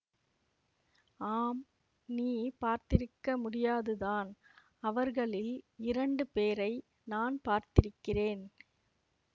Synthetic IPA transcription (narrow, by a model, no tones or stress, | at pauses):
aːm | niːpaːɾt̪ɪɾɯkːɐmʊɽɪjaːðɯðaːn | ɐʋɐɾɣɐɭɪlɪɾɐɳɖɯpeːɾɐɪ | naːnpaːɾt̪ɪɾɯkːɪreːn